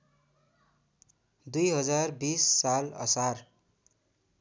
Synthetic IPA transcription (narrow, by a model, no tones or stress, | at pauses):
d̪ujɦʌd͡zarbisːalʌ̰sar